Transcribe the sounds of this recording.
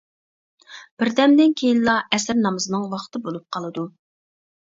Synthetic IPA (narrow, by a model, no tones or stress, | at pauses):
b̥ɪɾd̪ɛmd̪ɪnkʲʰejinlˠɑɛsɪɾnɑmɨzɨnɨŋwɑχt̪ʰɨbolˠup̚qʰɑlˠɨd̪u